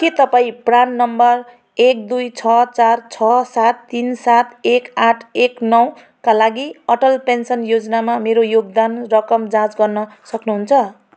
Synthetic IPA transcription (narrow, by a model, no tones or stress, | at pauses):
ket̪ʌpaĩpranːʌmbʌr | ek̚d̪ujt͡sʰʌt͡sart͡sʰʌsat̪ːinsat̪ekaʈʰeknʌw | kalaɡiʌʈʌlpensʌnjod͡zʌnamameɾojoɡ̚d̪anrʌkʌmd͡zãt͡sɡʌrnʌsʌknuɦunt͡sʰʌ